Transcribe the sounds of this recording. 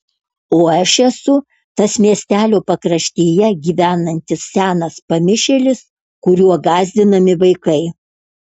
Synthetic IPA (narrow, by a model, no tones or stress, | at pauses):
oːɐʃɛsʊ | t̪ɐsmʲiɛsʲt̪ʲæːlʲoːpɐkɾɐʃʲt̪ʲeːjɛɡʲiːʋʲæːnɐnʲt̪ʲɪssʲæːnɐspɐmʲɪʃʲelʲɪs | kʊɾʲuɔɡɑːzʲd̪ʲɪnɐmʲɪʋɐɪkɐɪ